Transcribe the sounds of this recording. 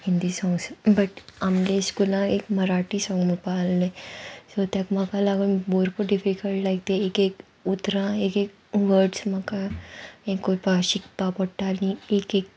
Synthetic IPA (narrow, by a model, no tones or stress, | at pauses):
hĩnd̪isɔ̃ŋɡsbəʈamleskulãekməɾaʈisɔ̃ŋupalnesot̪jakmakalaɡunboɾpəɾɖifikəlʈlajɡ̚t̪eekek | ut̪ɾãekek | ʋəɾɖsmakaẽkːopaɕik̚papəɽʈaɾniekek